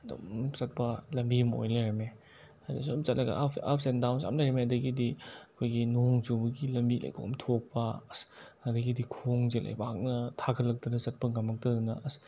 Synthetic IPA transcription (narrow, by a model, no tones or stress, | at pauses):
do̰sɐt̚pɐlɐmbimo̰jlajɾɐme | adasmsɐt̚lɐɡɐ̰a̰p̚ʰsendawnsa̰mlajɾɐmeɐdɐɡidiɐkʰojɡinoŋzubɐɡilɐmbilʔa̰jkʰo̰mtʰok̚pɐsɐdɐɡidikʰoŋzelʔa̰jbaɦak̚nɐtʰakʰɐlːɐk̚dunɐsɐt̚pɐɡamɐk̚tɐdunɐ̰ʔs